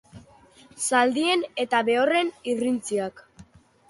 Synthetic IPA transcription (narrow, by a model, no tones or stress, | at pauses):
sald̪ie̞ne̞t̪aβe̞ore̞nirint͡siak